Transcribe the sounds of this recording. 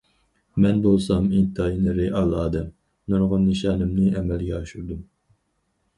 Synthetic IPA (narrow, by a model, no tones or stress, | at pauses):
mɛnbolˠsɑmint̪ʰɑinɨɾɪʔɑlˠɑːd̪ɛm | nɑɾʁɑnːiʃɑːnɨmnɨʔɛmɛlɡʲɛɑʃuɾd̪um